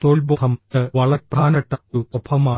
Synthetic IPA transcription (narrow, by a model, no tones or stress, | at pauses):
t̪oːɭbot̪ʰɐmɐʋɐɭɐɾpraːnɐʈːɐuobʰɐmaː